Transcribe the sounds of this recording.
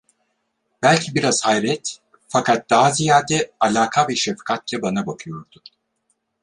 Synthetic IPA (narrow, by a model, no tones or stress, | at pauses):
b̥ælʲcʰibiɾaz̥hajɾɛt̪ | fakʰat̪̚d̪̥aɦazijaːd̪ɛalʲaːkʰabiɾʃefkʰat̪̚lʲɛbanabakʰɯjo̞ɾd̪̥u